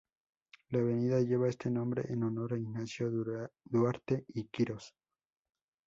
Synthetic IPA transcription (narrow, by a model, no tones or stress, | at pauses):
laβe̞niðaʝe̞βae̞st̪e̞nõmbɾḛʔenono̞ɾaiɣnasjo̞d̪waɾt̪eikiɾo̞s